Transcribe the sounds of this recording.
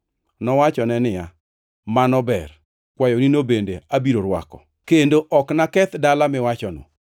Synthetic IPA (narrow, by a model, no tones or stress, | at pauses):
nɔwat͡ʃɔnɛnɪja | manɔbɛ̰r | kwajɔninobendeabiɾoɾwa̰kɔ̰ | kendoʔɔknakɛt̪dalamɪwat͡ʃɔnɔ̰